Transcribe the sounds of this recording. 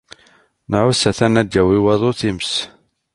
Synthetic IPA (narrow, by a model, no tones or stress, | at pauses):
nəʕʊsæθænæd͡ʒːæwiwɑðˤoθims